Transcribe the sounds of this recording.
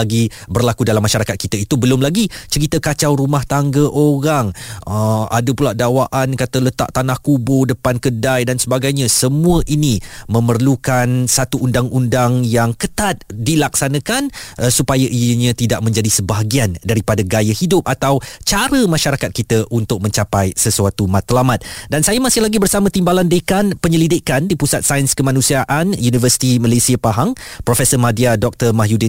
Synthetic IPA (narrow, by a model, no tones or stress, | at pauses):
aɡi | bərlakudalamːaʃaɾakat̪̚kit̪əit̪ubəlʊmlaɡit͡ʃəɾit̪əkat͡ʃawɾumaht̪aŋɡəʔoɾaŋəa̰dəpulaʔdawaʔankat̪ələt̪a̰ʔt̪anahkubʊdəpankədajdansəbaɡajɲãsəmũəʔinimə̃mərlukansat̪uʔundaŋʔundaŋjaŋkət̪at̪̚dilaksanə̃kanʔəsupajaʔijəɲə̃t̪idaʔ̚mə̃ɲd͡ʒadisəbaɦaɡiandaɾipadaɡajəhidʊp̚at̪awt͡ʃaɾəmaʃaɾakat̪̚kit̪əʔunt̪ʊk̚mə̃ɲt͡ʃapajsəsuat̪umat̪lamat̪̚dansajamasɪhlaɡibərsamə̃t̪imbalandekanpəɲəlidɪkandipusat̪̚sajənskəmãnũsiaʔanjunivərsi̥t̪iməlasiəpaɦaŋpɾofɛsəmadiadɔk̚t̪ərmaɦjudɪ